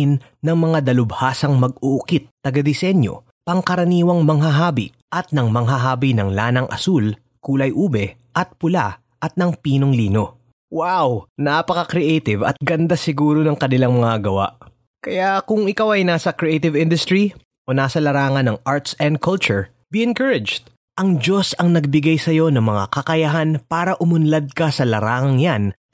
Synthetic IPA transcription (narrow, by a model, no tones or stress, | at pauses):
ɪnːɐŋmɐŋad̪ɐlʊbhaːsɐŋmɐɡ̚ʊʔʊkit̪ːɐɡɐd̪ɪsɛɲjo̞̰ | pɐŋkɐɾɐniːwɐŋmɐŋɦɐɦaːbḭ | ʔɐt̪̚nɐŋmɐŋɦɐɦaːbinɐŋlaːnɐŋʔɐ̰sul | kuːlɐjʔuːbɛ | ʔɐt̪̚pʊla | ʔɐt̪̚nɐŋpiːnoŋliːno̞ | wawnapɐkɐkɾiʔejt̪ɪvɐ̰t̪̚ɡɐnd̪asɪɡuːɾonɐŋkɐnɪlaŋmɐŋaɡɐwa̰ʔ | kɐjakʊŋɪkawɐjnaːsɐkɾɪʔejt̪ɪvɪnd̪ʊst̪ɾɹi | ʔo̞naːsɐlɐɾaːŋɐnɐŋaɹt̪sɛnd̪̚kʰɐlt͡ʃʊɹ | biɛnkɐɹɪd͡ʒd̪̚ | ʔɐŋd͡ʒo̞sɐŋnɐɡ̚bɪɡajsɐjo̞nɐŋmɐŋa̰kɐkɐjɐɦanpaːɾɐʔʊmʊnlɐd̪̚kɐsɐlɐɾaːŋɐŋjan